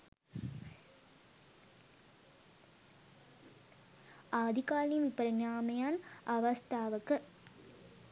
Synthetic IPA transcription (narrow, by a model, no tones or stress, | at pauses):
ʔaːd̪ikaːlijmʋipːɐɾɐɲjaːmɐjaːnʔɐʋɐst̪ʰaːʋɐkːɯ